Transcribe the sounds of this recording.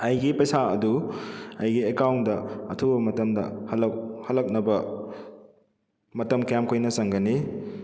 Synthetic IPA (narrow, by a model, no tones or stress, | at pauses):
ɐjɡipɐjsaɐduɐjɡiekawndɐɐtʰuwbɐmɐtɐmdɐ̰hɐlɐhɐlɐk̚nɐbɐ | mɐtɐmkɐjamkʰojnɐsɐŋɡɐni